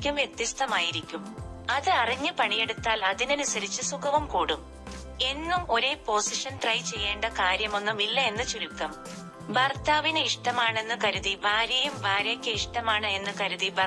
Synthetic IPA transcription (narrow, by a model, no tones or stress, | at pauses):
kʲːumʋjek̚t̪ist̪ɐmaːjiɾikʲːum | ɐðɨɐriɲːɨpɐɳijeɽut̪ːaːlɐðinɐnusɐɾit͡ɕːɨsukʰɐʋɐmkuːɽum | e̞nːumo̞ɾe̞ːpo̞ːsiʂɐnʈrɐjt͡ɕe̞jːe̞ːɳɖɐkaːɾjɐmo̞nːumilːɐe̞nːɨt͡ɕoɾukːɐm | bɐrt̪aːʋineiʂʈɐmaːɳe̞nːɨkɐɾuðibʱaːɾjɐjumbaːɾɐkʲːɨiʂʈɐmaːɳɨe̞nːɨkɐɾuðibɐ